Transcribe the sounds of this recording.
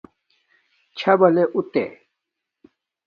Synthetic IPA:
t͡ɕʰɐbɐleʔut̪ḛ

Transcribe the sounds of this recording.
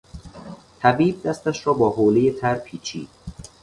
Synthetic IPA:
t̪ʰæbiːb̚d̪æst̪æʃɾɒːbɒːɦoːlejet̪ʰæɾpʰiːt͡ʃʰḭːd̪̥̚

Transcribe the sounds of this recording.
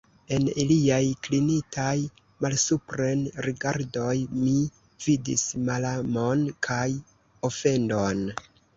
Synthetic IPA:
e̞niliajklinikʰaj | malsupɾenɾiɡaɾdo̞jmi | vidḭsmalamo̞nkʰaj | o̞fe̞ndo̞n

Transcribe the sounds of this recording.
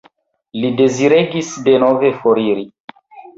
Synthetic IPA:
lide̞ziɾeɡisdenove̞foɾiɾi

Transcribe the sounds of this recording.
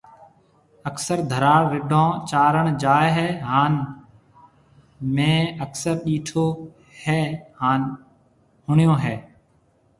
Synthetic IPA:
əksəɾd̪ʱəɾaːɾɪɖʱõːt͡ʃaːɾəɳd͡ʒaːeɦɛːɦaːn | mẽːəksəɾɗiːʈʰoː | hɛːhaːn | hʊɳɪjõːɦɛː

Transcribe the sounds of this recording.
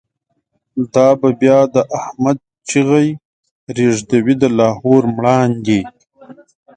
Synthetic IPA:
d̪ɑːbabjɑːd̪əʔahmad̪̚ | t͡ʃiɣaj | ɾeʐd̪awid̪əlɑːhoːɾmɽɑːnɡe

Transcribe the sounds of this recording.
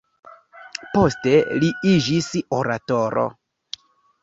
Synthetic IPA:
po̞ste̞liid͡ʒiso̞ɾato̞ɾo̰

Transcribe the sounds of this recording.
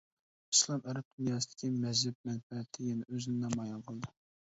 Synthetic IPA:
islˠɑmæɾɛp̚d̪̥unjɑːsɨd̪ɪ̥kʲʰimɛʒɪp̚mɛnpɛt̪ʰːɪjɛnɛʔøzɪnɪd̪ɑmɑjɑnqʰəlˠd̪ɨ

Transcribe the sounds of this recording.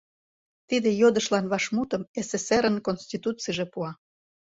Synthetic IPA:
t̪id̪ejod̪əʃlɑnβɑʃmut̪ə̆meseseɾənkonsʲt̪ʲit̪ut͡siʒepuɑ

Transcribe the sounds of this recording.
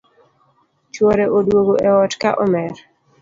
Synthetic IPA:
t͡ʃwɔɾɛʔodwoɡoʔɛɔtkaʔɔmɛr

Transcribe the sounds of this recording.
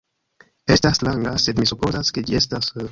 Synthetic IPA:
e̞staslaŋɡase̞d̪misupo̞zaske̞d͡ʒie̞stas

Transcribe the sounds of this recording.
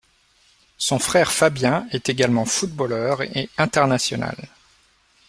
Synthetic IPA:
sɔ̃fχɛʁfabjɛ̃ɛt̪eɡalmɑ̃fut̪̚bolœʁeɛ̃t̪ɛʁnasjɔna̰l

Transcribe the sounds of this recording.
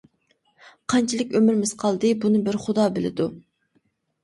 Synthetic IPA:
qʰɑnt͡ʃʰilˠɪkʲømɪɾmɪz̥qʰɑlˠd̪ɨbunɨbɪɾχʊd̪ɑːbɪlɪ̰d̪u

